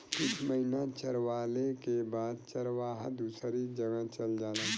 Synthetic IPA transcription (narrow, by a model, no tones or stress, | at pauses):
kʊt͡ʃʰməɦinat͡ʃəɾwaːlekebaːd̪̚t͡ʃəɾʋaːɦãd̪uːsɾid͡ʒɐɡãt͡ʃɐld͡ʒaːlaː